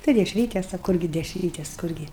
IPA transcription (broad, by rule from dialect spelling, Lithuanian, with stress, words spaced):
tɐɪ dʲɛʃʲˈrʲiːtʲɛs ɐ ˈkʊrʲɡʲɪ dʲɛʃʲˈrʲiːtʲɛs ˈkʊrʲɡʲɪ